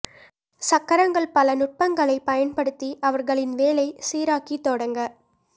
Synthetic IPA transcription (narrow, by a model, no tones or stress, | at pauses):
sɐkːɐɾɐŋɡɐɭpɐlɐnʊʈ̚pɐŋɡɐɭɐɪpɐjɐnpɐɽɯt̪ːiʔɐʋɐɾɣɐɭɪnʋeːlɐɪsiːɾaːkit̪ːɔɽɐŋɡɐ